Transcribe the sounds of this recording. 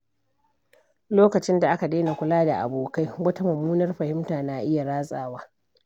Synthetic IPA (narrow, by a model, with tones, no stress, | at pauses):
loː˦kɐ˨t͡ʃɪ˦nda˨ʔa˦ka˨deː˦na˨kʷʊ˦laː˦da̰˨ʔa̰˨boː˨ka˦jwɐ˦ta˦mɐ˨muː˦nɐ˦rɸɐ˨hɪ˦mtaː˨na˦ʔɪ˦ja˨ɽaː˦sʼa̰ː˨waː˦